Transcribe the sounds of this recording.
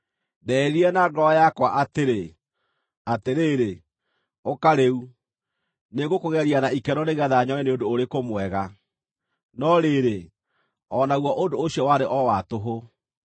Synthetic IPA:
ðɛɾiɛnaɡɔajakwaʔateɾe | ateɾeːɾe | okaɾeu | neɡokoɣɛɾianaikɛɾɔneɣɛðaaɲɔɛneondoːɾekomwɛɣa | nɔɾeːɾe | ɔnaɣwɔʔondoːɕjɔwaɾeʔɔwatoɦo

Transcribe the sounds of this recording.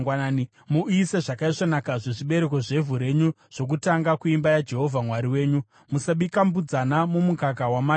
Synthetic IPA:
anaːni | muʔiseʐakaiʂonakaʐeʐiɓe̞ɾe̞k̬o̞ʐe̞vʱuɾe̞ɲu | ʐ̥o̞k̬utaŋɡakuimbajad͡ʒe̞ɦo̞vʱamwaɾiwe̞ːɲu | musaɓikambud͡zanamumukakawama

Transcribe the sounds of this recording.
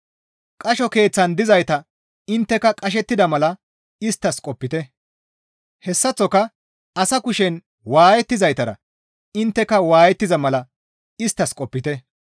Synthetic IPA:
kʼɐʃɔke̞ːt͡sːɐnd̪ɪzɐjt̪ɐ | ɪnt̪ːɛkɐkʼɐʃ̬ɛt̪ːɪd̪ɐmɐlɐ | ɪst̪ːɐskʼɔpːɪt̪ɛ | hɛsːɐt͡sːɔkɐ | ɐsɐkʊʃɛn | waːjɛt̪ːɪzɐjt̪ɐɾɐ̰ | ɪnt̪ːɛkːɐwaːjɛt̪ːɪzɐmɐlɐ | ɪst̪ːɐskʼɔpːɪt̪ɛ

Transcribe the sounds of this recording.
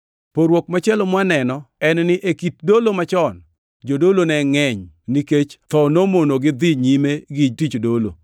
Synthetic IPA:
poɾwok̚mat͡ʃɛlɔmwanɛnɔɛnnɪʔekit̚dolomat͡ʃɔn | d͡ʒodolonɛŋɛɲniket͡ʃt̪ɔnomonoɡɪd̪ɪɲimeɡid͡ʒtit͡ʃdolo̰

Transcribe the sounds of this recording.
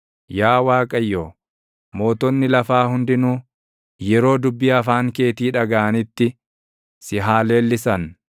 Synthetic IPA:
jaːwaːkʼɐjːoː | mo̞ːt̪ɔnːɪlɐfaːhʊnd̪ɪnuː | jɛɾo̞ːd̪ʊbːɪɐfaːŋke̞ːt̪iːᶑɐɡaʔɐnɪt̪ːɪ | sɪɦaːle̞ːlːɪsɐn

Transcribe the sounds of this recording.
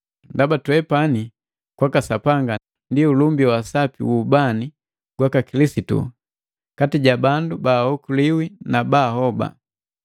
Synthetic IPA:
ndabatwɛpani | kwakasapaŋɡa | ndiulumbiwasapḭwuːbani | ɡ̥wakakilisitṵ | katiɟabandubahɔkuliwinabahɔba̰

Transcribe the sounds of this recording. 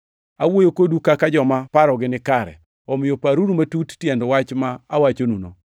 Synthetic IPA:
awojokodukakad͡ʒɔmapaɾɔɡɪnɪkaɾɛ̰ | ɔmɪjopaɾuɾumatuttjɛndwat͡ʃmaawat͡ʃonuno̰

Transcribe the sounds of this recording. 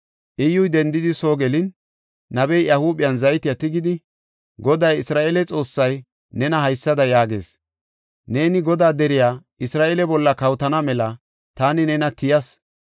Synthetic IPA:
ʔɪjːʊjd̪ɛnd̪ɪd̪ɪso̞ːɡɛlɪnː | ɐbɛjʔɐhuːɓɪjɐnzɐjɪt̪ɪjɐt̪ɪɡɪd̪ɪ | ɡɔd̪ɐjɪsɾaːʔeːlɛt͡sʼo̞ːsːɐj | nɛnɐɦɐjsːɐd̪ɐjaːɡe̞̰ːs | ne̞ːnɪɡɔd̪aːd̪ɛɾɪjaː | ɪsɾaːʔeːlɛbɔlːɐkɐwt̪ɐnɐmɛlɐ | t̪aːnɪnɛnɐt̪ɪjɐs

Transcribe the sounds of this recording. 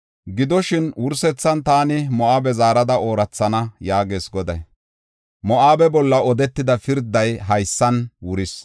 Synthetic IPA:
ɡɪd̪ɔʃɪnwʊɾsɛt͡sːɐnt̪aːnɪmɔʔaːbɛzaːɾɐd̪ɐo̞ːɾɐt͡sːɐnɐjaːɡe̞ːsɡɔd̪ɐj | mɔʔaːbɛbɔlːɐɔd̪ɛt̪ːɪd̪ɐfɪɾd̪ɐjɦɐjsːɐnwʊɾɪs

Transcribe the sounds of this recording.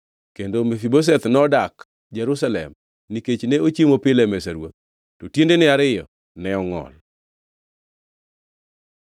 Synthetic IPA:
kendomefibos̬ɛt̪nɔdak | d͡ʒɛɾusalɛ̰m | niket͡ʃneot͡ʃimopɪlɛmɛsaɾwo̰t̪̚ | totjendenɪaɾɪjɔ̰ | nɛɔŋɔ̰l

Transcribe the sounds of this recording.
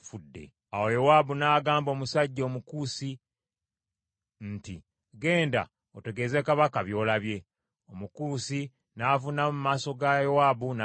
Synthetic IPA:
fudːe̞̰ | awojowaːbunaːɡaːmbo̞ːmusaɟːo̞ːmukuːsi | nti | ɡe̞ːnda̰ | ote̞ɡe̞ze̞kaβakaβjo̞ːlaβje̞ | omukuːsi | naːvunamumaːso̞ɡajowabuna

